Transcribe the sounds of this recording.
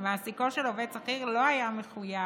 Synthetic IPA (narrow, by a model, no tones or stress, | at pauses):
veasikoʃeloved̚t͡saχiʁlo̞ajame̞χuja